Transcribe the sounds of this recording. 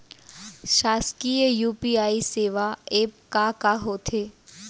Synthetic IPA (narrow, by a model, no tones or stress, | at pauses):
ʃaːskijəjuːpiaːiseːʋaeːp̚kakaɦot̪ʰeː